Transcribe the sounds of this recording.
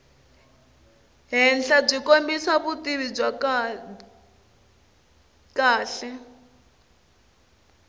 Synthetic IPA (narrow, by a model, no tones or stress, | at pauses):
ɦɛnd͡ɮab͡ʐʷikombisaβutʼiβib͡ʐa | kaːɬɛ